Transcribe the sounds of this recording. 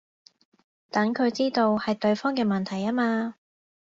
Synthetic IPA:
t̪ɐ˨˥ŋkʰɵ˨˧ɥt͡siː˥t̪o˧whɐ˨jt̪ɵ˧ɥfɔː˥ŋkɛː˧mɐ˨˩nt̪ʰɐ˨˩jaː˥maː˧

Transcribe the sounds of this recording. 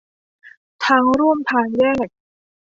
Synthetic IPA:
t̪ʰaː˧˥ŋɾu˥˩mpʰaː˧njɛː˥˩k̚

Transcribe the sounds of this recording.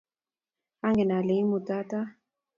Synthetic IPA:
a˦ŋɡɛ˨na˨le˨˦mu˨ta˦ta˦

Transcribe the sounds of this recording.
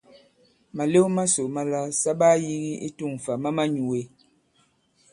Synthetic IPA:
ma˨le˦wma˦so˨ma˨la˦sa˦ba˦ji˦ɣi˦i˦tu˦˨ŋ˨fa˨ma˦ma˦ɲu˨we˨˦

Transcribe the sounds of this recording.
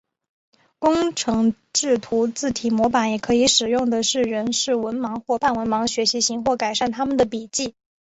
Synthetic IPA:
kʊ˥ŋʈ͡ʂʰɤ˧˥ŋ | ʈ͡ʂɻ̩˥˩t̪ʰu˧˥t͡sɹ̩˥˩t̪ʰi˨˩mwɔ˧˥pa˧˥njɛ˨˩kʰɤ˧˥i˧˥ʂɻ̩˨˩jʊ˥˩ŋd̪ə˩ʂɻ̩˥˩ɻə˧˥nʂɻ̩˥˩wə˧˥nmɑ˧˥ŋxwɔ˥˧pa˥˩nwə˧˥nmɑ˧˥ŋɕɥɛ˧˥ɕi˧˥ɕi˧˥ŋxwɔ˥˩ka˨˩ɪʂa˥˩nt̪ʰa˥mə˨nd̪ə˩pi˨˩t͡ɕi˥˩

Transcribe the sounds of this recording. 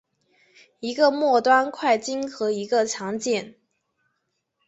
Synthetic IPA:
i˧˥ɡə˧mwɔ˥˩t̪wa˥nkʰwa˥˩ɪt͡ɕi˥nxɤ˧˥i˧˥ɡə˧t͡ɕʰjɑ˧˥ŋt͡ɕjɛ˥˩n

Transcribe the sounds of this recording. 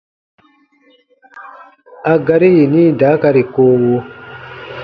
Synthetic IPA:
a˨ɡa˦ɾi˦ji˨niː˦daː˨˦ka˦ɾi˨koː˦wo˦

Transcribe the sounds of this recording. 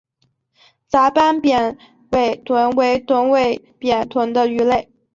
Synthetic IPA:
t͡sa˧˥pa˥npjɛ˨˩n | we˥˩ɪt̪ʰwə˧˥nwe˧˥ɪt̪ʰwə˧˥nwe˥˩ɪ | pjɛ˨˩nt̪ʰwə˧˥nd̪ə˧y˧˥le˥˩ɪ

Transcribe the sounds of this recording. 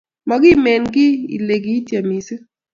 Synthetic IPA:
mɔ˨ɡɪ˦˨mɛ˨nɡɪ˦ḭ˨le˨ɡi˦tje˨mi˨se˦

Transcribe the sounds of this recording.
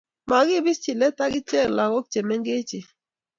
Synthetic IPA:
ma˨ɡɪ˦bɪ˦st͡ʃi˨lɛ˦ta˦ɡɪ˦t͡ʃɛ˦˨la˨kɔ˦k̚t͡ʃe˨mɛ˦ŋɡe˦t͡ʃɪ˨

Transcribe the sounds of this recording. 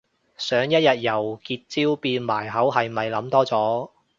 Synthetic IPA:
sœː˨˥ŋjɐ˥t̚jɐ˨t̚jɐ˨˩wkiː˧t̚t͡siː˥wpiː˧nmaː˨˩jɦɐ˨˥wɦɐ˨jmɐ˨jlɐ˨˥mt̪ɔː˥t͡sɔː˨˥

